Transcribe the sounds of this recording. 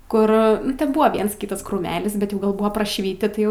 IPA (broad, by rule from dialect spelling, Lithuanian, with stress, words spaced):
ˈkʊr ˈtʲɛn ˈbʊɐ ˈʋʲiɛns ˈkʲiːtɐs kruːˈmʲæːlʲɪs bʲɛt ˈjɛʊ ˈɡɐlˠ ˈbuːʋɐ prɐʃʲˈʋʲɪtʲɪ ˈtɐɪ